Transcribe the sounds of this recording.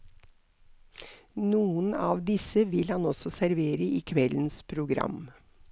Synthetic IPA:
nuːənɑːʋd̪ɪsəʋɪlhɑnɔsɔsæɾʋeːɾəʔiːkʰʋɛln̩spʰɾʊɡɾɑ̰m

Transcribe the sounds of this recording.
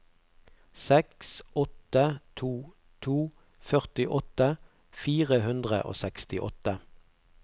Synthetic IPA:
sɛksʔɔt̪ət̪ʰuː | t̪ʰuː | fœʁt̪ɪʔɔt̪ə | fiːʁəhʉnd̪ʁə̰ʔo̰ːsɛkst̪ɪʔɔ̰t̪ə

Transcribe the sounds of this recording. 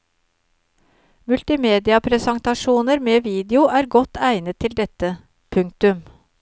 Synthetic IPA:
mʉlt̪ɪmeːd̪ɪɑpʰɾɛsɑŋt̪ɑʃuːnəɾmeːʋiːd̪ɪʊʔæːɾɡɔt̪ːæɪnət̪ʰːɪld̪ɛt̪ə | pʰʉŋkt̪ʉm

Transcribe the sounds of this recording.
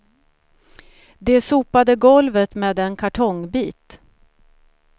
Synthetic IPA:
d̪ɛsuːpad̪əɡɔlvət̪meːd̪ɛnkʰaʈʰɔŋbiːt̪

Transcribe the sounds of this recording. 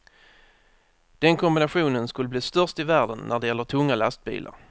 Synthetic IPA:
d̪̥ɛnkʰɔmbɪnaɧuːnənskɵlːəbliːst̪œʁʂt̪ɪvæːɖənːʔæɖɛjɛlːəʈʰɵŋːalast̪̚bḭːlʔa̰ɾ

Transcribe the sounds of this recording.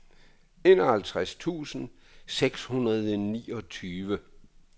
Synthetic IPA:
e̝nɒhælt͡sʰʁast͡sʰṵːsn̩ | seɡ̥shunɐðˠniːɒ̽t͡sʰyːʋə

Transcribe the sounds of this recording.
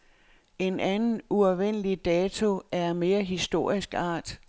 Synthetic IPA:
e̝nʔænn̩uɒʊʋen̰əlid̥ɛːt͡sʰo̝æɐme̝ːɐɦisd̥o̝ɐ̰isɡ̥ɑ̰̈ːd̥

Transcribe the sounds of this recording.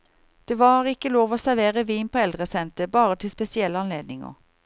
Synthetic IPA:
d̪̥eːʋɑːʁɪkəloːʋoːsæʁʋeːʁəʋiːnpʰoːɛld̪ʁəsɛnt̪əbɑːʁət̪ʰɪlspɛsɪɛlːəɑnleːd̪nɪŋə̰ʁ

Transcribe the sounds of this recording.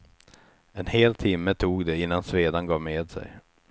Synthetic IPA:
ɛnheːlt̪ʰɪmːət̪ʰuːɡd̪ɛɪnːansveːd̪anɡɑːvmeːd̪sɛ̰j

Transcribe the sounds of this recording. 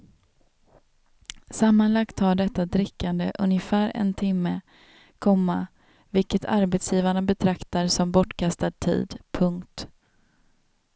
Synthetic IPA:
samːanlakt̪haɖɛt̪ːad̪ɾɪkːand̪əʔɵ̰njəfæːɾɛ̰nt̪ʰɪmːə | kʰɔmːa | vɪlkət̪ʰa̰ɾbɛt̪sjiːvaɳabɛt̪ʰɾakt̪aɾsɔmbɔʈːkʰast̪ad̪̚t̪ʰḭːd̪pʰɵŋkt̪

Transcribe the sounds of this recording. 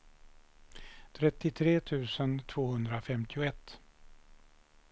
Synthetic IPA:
t̪ʰɾɛt̪ːɪt̪ʰɾeːt̪ʰʉ̟ːsənt̪ʰv̥oːhɵnd̪ɾafɛmt̪ʰɪʊɛt̪ː

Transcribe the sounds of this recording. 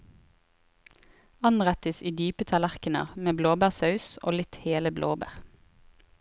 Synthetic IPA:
ɑnʁæt̪əsiːd̪yːpət̪ʰɑlæʁkənə̰ʁmeːbloːbæːʁsɑʉso̰ːlɪt̪heːləblʔoːbæ̰ːʁ

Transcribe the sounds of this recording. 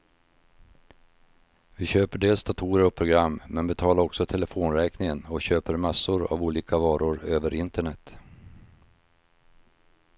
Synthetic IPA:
vɪɕøːpəɖeːlsd̪at̪ʰuːɾəɾɔpʰɾʊɡɾamːmɛnbɛt̪ʰɑːlaɾɔksɔt̪ʰɛlɛfoːnɾɛːknɪŋənɔɕøːpəɾmasːʊɾa̰vuːliːkavɑːɾʊɾøːvəɾʔɪnt̪əɳɛt̪ː

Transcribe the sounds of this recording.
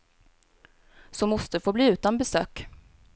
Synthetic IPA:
sɔmːɔst̪əfoːbliːʉ̟ːt̪anbɛsø̰ːk

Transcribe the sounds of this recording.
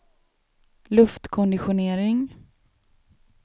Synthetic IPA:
lɵft̪kʰɔnd̪ɪɧʊneːɾɪŋ

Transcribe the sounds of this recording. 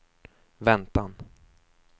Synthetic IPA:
vɛnt̪an

